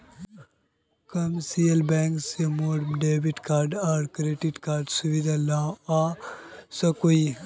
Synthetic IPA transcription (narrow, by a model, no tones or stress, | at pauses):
kɐmsiːəlbɛːŋksemoːɖmɖeːbiʈkaːɾɖaːɖkɾeːʈiʈkaːɾɖsuʋid̪ʱaːlaːaːsɐkui